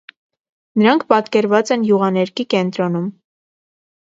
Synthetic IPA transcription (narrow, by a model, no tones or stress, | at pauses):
nəɾɑŋkʰpɑt̪kɛɾvɑt͡sɛnjuʁɑnɛɾkikɛnt̪ɾɔnum